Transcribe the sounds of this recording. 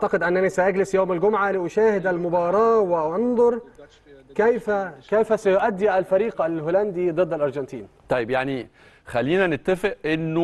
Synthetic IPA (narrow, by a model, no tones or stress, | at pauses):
ʔaʕt̪ɑqɪd̪ʔænːænisæʔaɡlɪsjoːmɪlɡʊmʕaliʔʊʃæːhɪd̪ʔalmʊbɑːɾˤɑːwɪʔɑnðˤʊɾˤ | kæjfækæjfæsæjʊʔad̪ːiʔalfæɾiːqalhoːlænd̪id̪ˤɨd̪ːalʔɑɾˤd͡ʒɑnt̪ʰiːnt̪ˤɑjɪbjaʕni | xælːiːnænɪt̪ːæfɪʔʔɪnːʊ